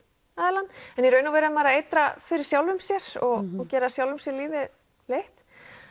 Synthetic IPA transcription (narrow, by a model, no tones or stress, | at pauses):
aːðɛɾlanːɛnjiɾœːɥnaveːɾaðɪmaːɾaejt̪ɾafɪɾɪɾ̥sjawlvʏmsjɛɾ̥ɔɣɔcɛːɾasjawlvʏmsjɛɾliːvɪð | lejht̪